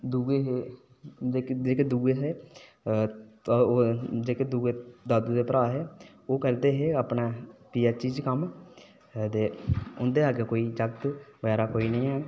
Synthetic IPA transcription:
d̪uːɡeːɦeː | d͡ʒeːd͡ʒeːkeːd̪uːɡeːɦeː | d͡ʒeːkeːd̪uːɡeːd̪aːd̪uːd̪eːpəɾaːɦɛː | oːkəɾd̪eːɦeːapnaːpijaːt͡ʃiːd͡ʒkəm | d̪eːʊnd̪eːaːɡekoːiːd͡ʒəkt̪bəɛːɾaːkoːiːnəĩːɦɛː

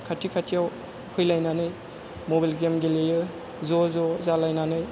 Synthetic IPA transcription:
kʰatʰikʰatʰijaw | pʰɯjlajnanɯj | mobalɡemɡelejɯ | zɔzɔzalajnanɯj

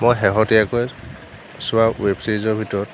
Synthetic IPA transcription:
mojɦɛɦɔtiakɔj | sʊwawebsejzɔɹbʱitɔɹɔt

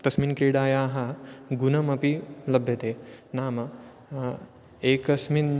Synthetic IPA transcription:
t̪ɐsminkɾiːɽaːjaːɦɐɡunɐmɐpilɐbʱjɐt̪eːnaːmɐ | eːkɐsmin

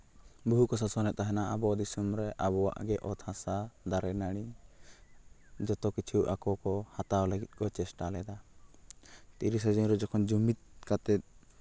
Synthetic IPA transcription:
buɦukɔsasɔnɛt̪̚t̪ːaɦɛnaabɔd̪isumɾɛʔabɔwa̰ʔɡɛʔɔt̪ʰãsad̪aɾɛnaɽ̃i | d͡ʒɔt̪ɔkit͡ʃʰuʔakɔkɔhat̪awləɡit̪̚ˀkɔt͡ʃɛsʈalɛd̪a | t̪iɾis̬ɔd͡ʒɔnɾɔd͡ʒɔkʰɔnd͡ʒumit̪̚kat̪ɛt̪̚

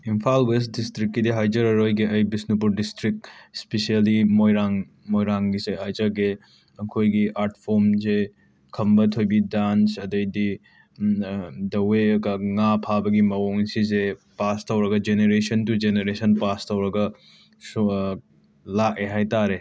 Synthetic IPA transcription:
impʰalwesdistɾikːidiɦajd͡ʒɐɾɐɾojɡeʔɐjbisnip̬uɾdistɾik̚spesialimojɾaŋ | mojɾaŋɡiseɦajzɐɡe | ɐkʰojɡiʔaɾtʰpʰomze | kʰɐmbɐtʰojbidansɐdɐjdi | dɐweɐɡaŋapʰabɐɡimɐwoŋsisepastʰɐwɾɐɡɐd͡ʒeneɾesɐntud͡ʒeneɾesɐnpastʰɐwɾɐɡɐ | s | lak̚eɦajtaɾe

